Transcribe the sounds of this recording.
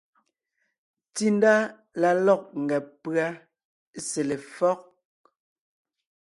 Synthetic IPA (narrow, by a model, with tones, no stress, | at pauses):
ti˦n˦da˦ | la˨lɔ˦˨k̚ŋ̩˨ɡɛ˨pɰa˦ | sɛ˨le˨fɔ˦k̚